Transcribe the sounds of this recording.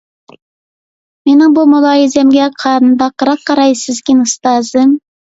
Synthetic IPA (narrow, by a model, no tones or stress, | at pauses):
menɪŋbumulˠɑːjizɛmɡʲɛqʰɑɾnd̪ɑqːəɾɑq̚qːɑɾɑjsɪzkʲinɨst̪ɑzɨm